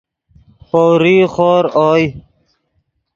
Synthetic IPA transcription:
foːwɾiːxoːɾoːj

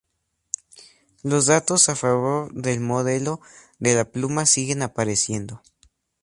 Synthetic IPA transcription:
lo̞zðat̪o̞safaβoɾðe̞lmo̞ðe̞lo̞ | ðe̞laplumasiɣe̞napaɾesje̞nd̪o̞

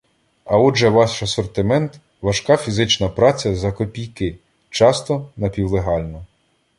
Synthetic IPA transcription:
ɐɔʒɛʋɑʃɐsɔrt̪ɪmɛnt̪ | ʋɐʃkɑfʲizɪt͡ʃnɐpɾɑt͡sʲɐzɐkɔpʲijkɪ | t͡ʃɑst̪ɔnɐpʲiwlˠeɦɑlʲnɔ

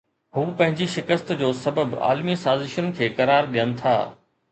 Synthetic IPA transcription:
ɦuːpɐ̃ɦɪ̃ɲd͡ʑiʃɪkəst̪d͡ʑoːsɐbəba̰ːlmisaːzɪʃənkʰeːkɐɾaːɾɗijənɪ̆t̪ʰa̰ː

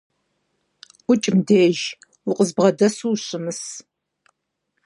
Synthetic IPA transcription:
ʊt͡ʃʼɪmdeːʒ | wʊqʼəzbʁɐdɐsuːɕɨmɨs

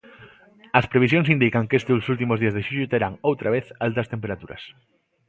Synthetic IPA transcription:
ɐspɾeβisjõŋsind̪ikɐŋkest̪ɪosult̪̬imʊzðiɐzðeʃuʎʊt̪eɾaŋowt̪ɾaβ̞eθalt̪ɐst̪empeɾat̪uɾɐ̰s

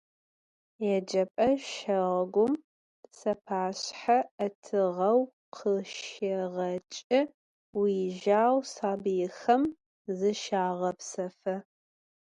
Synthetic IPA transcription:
jɛd͡ʒɐpʼɐʃɐʁɐɡʷʊm | sɐpʰaːɕħaɐtʰɨʁɐw | qʰəʃʃɐʁɐt͡ʃʼɪ | wiʒaːwsaːbɨjɪxɐm | zɨʃaːʁɐpsɐfɐ

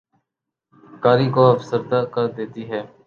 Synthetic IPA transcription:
kaːɾiːkoːəfsəɾd̪aːkəɾd̪eːt̪iːɦɛː

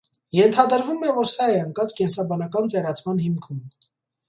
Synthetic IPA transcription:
jɛnt̪ʰɑd̪əɾvumɛvɔɾsɑɛəŋkɑt͡skɛnsɑbɑnɑkɑnt͡sɛɾɑt͡sʰmɑnhimkʰum

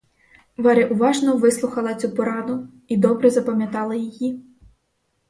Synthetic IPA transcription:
ʋɑɾɪʔʊʋɑʒnɔʋɪslˠʊxɐlˠɐt͡sʲupɔɾɑd̪ʊ | id̪ɔbɾɛzɐpɐmʲjɐt̪ɑlˠɐjiji

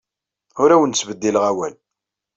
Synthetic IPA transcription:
ʊɾæwənsvəd̪ːilʁæwæl

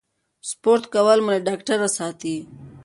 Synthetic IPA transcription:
spoːɾt̪kawalmuleɖaːkʈəɾasɑːt̪i

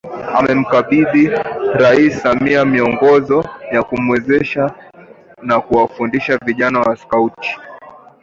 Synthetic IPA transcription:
a̰mɛm̩kaɓiðiɾaisamiamiɔŋɡɔzɔjakumwɛzɛʃa | nakuwafundiʃaviʄanawaskauti̥

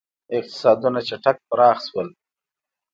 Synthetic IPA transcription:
ɪq̚t̪ɪ̥sɑd̪unat͡ʃaʈak̚pəɾɑxswəl

